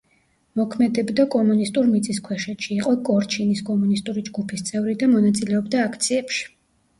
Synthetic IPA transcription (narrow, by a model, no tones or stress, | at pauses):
mɔkʰmɛd̪ɛbd̪akʼɔmunist̪ʼuɾmit̪sʼiskʰwɛʃɛt̪ʃiːqʼɔkʼɔɾt͡ʃʰiniskʼɔmunist̪ʼuɾid͡ʒɡupʰist̪sʼɛvɾid̪amɔnat̪sʼilɛɔbd̪aːkʰt̪sʰiɛpʃi̥